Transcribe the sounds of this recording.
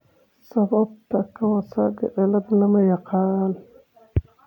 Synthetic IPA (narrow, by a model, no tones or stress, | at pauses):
sabab̚takawasaɡaʔelablamajaqal